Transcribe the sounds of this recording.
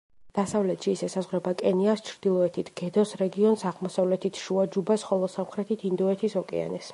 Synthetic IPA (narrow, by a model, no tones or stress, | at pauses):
d̪̥asavlɛt̪ʰʃiːsɛsazʁɾɛbakʼɛniast͡ʃʰɾd̪̥ilˠɔɛt̪ʰit̪ʰɡ̥ɛd̪ɔsɾɛɡiɔnsaʁmɔsavlɛt̪ʰit̪ʰʃuad͡ʒubasχɔlˠɔsamχɾɛt̪ʰit̪ʰind̪ɔɛt̪ʰisɔkʼɛ̰a̰nɛs